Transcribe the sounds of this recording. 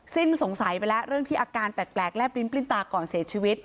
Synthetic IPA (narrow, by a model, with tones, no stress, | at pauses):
si˥˩nso˩˦ŋsa˩˦jwa˧jla˦˥ɾɯ˥˩əŋt̪ʰiː˥˩ʔaː˧kaː˧npɛː˨˩t̪̚plɛː˨˩k̚lɛ˦˥pi˧˥npli˥˩nt̪aː˧kɔː˨˩nsiː˨˩˦t͡ɕʰiː˧wi˦˥t̪̚